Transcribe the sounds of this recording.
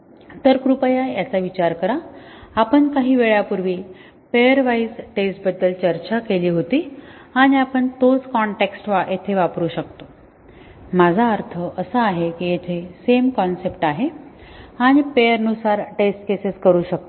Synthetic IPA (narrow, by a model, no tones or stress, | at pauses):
t̪əɾkɾupəjajat͡saʋit͡ɕaɾkəɾaapəɳkaɦiːʋeɭjapuɾʋiː | pejəɾʋaid͡zʈesʈbəd̪ːəlt͡ɕəɾt͡ɕakeliːɦot̪iːaɽ̃iapəɳt̪od͡zkɔɳʈeksʈʋaʔjet̪ʰeʋapɾuːɕək̚t̪o | mad͡zʱaəɾt̪ʰəʔəsəaɦekijet̪ʰesemkɔnsepʈaɦe | aɽ̃ipejəɾənusaɾʈesʈ̚keseskəɾuːɕək̚t̪